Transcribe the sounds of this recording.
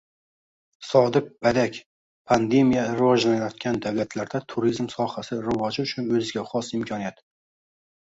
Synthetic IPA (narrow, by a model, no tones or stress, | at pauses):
sɒd̪ɪk̚b̥ad̪akʲ | pʰand̪e̞mijaɾɪvɒʒlanajɒt̪̚kʲand̪awlat̪ʰlaɾd̪at̪ʰuɾizmsɒhasɪɾɪvɒd͡ʒɪʊt͡ʃʰʊnɵzɪɡʲaχɒsɪmkʲʰɒnijat̪